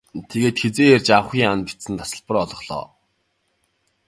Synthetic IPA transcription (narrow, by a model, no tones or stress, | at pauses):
t̪ʰeɣeːt̪xet͡seːert͡ɕaw̆χʲiːŋanpi̥t͡sɘ̆nt̪ʰḁsə̆ɮpə̆rɔɮɞ̆χɮɔ̰ː